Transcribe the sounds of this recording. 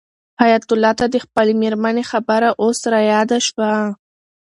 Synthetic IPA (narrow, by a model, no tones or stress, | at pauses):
hajat̪ʊlːɑt̪ad̪əxpəlemeɾmanexabəɾaʔosɾajɑd̪aʃwa